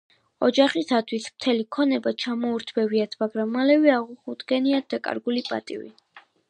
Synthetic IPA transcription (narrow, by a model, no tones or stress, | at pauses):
ɔd͡ʒaχisat̪ʰwismt̪ʰɛlikʰɔnɛbat͡ʃʰamɔuɾt̪ʰbɛviat̪ʰmaɡɾamːalɛvɛaʁuχud̪ɡɛniat̪̚d̪akʼa̰ɾɡulipʼa̰t̪ʼivḭ